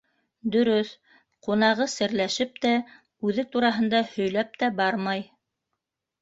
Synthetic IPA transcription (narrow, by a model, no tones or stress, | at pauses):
d̪ɵ̆ɾɵθ | qunɑʁɤsɘ̆ɾlæʃɘp̚t̪æ | ʉðɘt̪uɾɑɦɤ̆nd̪ɑhɵ̆jlæp̚t̪æbɑɾmɑj